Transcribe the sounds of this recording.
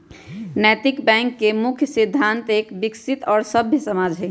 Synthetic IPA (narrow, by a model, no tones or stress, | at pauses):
nɛjt̪ikbɛ̃ŋkːemukʰjəsid̪ʱːant̪ekbiksit̪ɔːɾsəbʱjəsəmad͡ʒʱɦə